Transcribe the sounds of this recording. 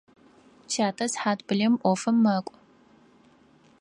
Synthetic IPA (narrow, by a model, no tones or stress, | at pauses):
t͡ʃʰaːtʰɐsħaːtb̥ɨɮɐmʔʷɔfɐmːɐkʷʼ